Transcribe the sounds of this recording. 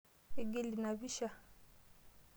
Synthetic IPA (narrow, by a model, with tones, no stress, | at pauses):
e˦ɡe˦li˨na˨βi˦ʃa˦˨